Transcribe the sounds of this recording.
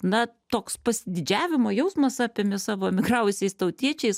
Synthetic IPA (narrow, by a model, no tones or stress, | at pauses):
nɐt̪oːkspɐsʲɪd̪ʲɪd͡ʒʲæːʋʲɪmoːjɛʊsmɐsɑːpʲemʲɪsɑːʋoːmʲɪɡrɑːʊjʊsʲɛɪst̪ɐʊt̪ʲiɛt͡ʃʲɛɪs